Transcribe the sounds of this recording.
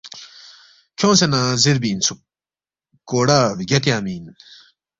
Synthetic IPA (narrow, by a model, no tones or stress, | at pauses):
kʲʰoŋsenazeɾbint͡sʰuk̚ | kːoːɽaɡat̪jãmiːn